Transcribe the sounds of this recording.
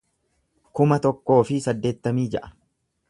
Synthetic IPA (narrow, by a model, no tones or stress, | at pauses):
kʊmɐt̪ɔkːo̞ːfɪsɐd̪ːe̞ːt̪ːɐmiːd͡ʒɛʔɐ̥